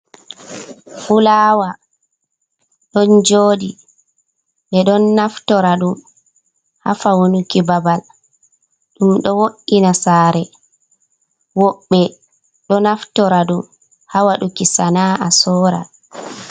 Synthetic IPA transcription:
fulaːwa | ɗɔnd͡ʒoːdi | ɗɛɗɔnːaftɔɾaɗum | ha̰fawonukibabal | ɗumɗɔwoʔːinasaːɾɛ | wɔɓːɛ | ɗɔnaftɔɾaɗum | hawaɗukisanaʔasɔːɾa̰

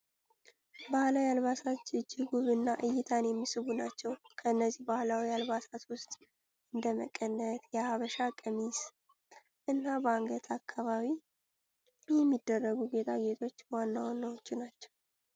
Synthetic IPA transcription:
bahlawjalβasat͡ʃːɨd͡ʒːɪɡuβɨnːaʔɨjːɪt̪ʰanjɛmːisɨβunat͡ʃːɛwkʰəɨnːəzːihbahlawialβasat̪wʊst̪ʼ | ɨnd̪əmə̰kʼːənːət̪jɛhaβəʃakʼəmis | ʔɨnːabaŋɡət̪ʰakʰːaβaβi | jɛmːid̪ːərːəɡuɡe̞t̪ʰaɡe̞t̪ʰo̞t͡ʃːwanːawnːawot͡ʃːɪnat͡ʃːɛ̥w

